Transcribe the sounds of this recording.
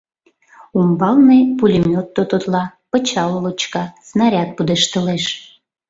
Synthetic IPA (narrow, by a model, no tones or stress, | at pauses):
umbɑlnepulʲemʲot̪ːot̪ot̪lɑpə̆t͡ɕɑllot͡ɕkɑsnɑɾʲɑt̪̚pud̪eʃt̪əleʃ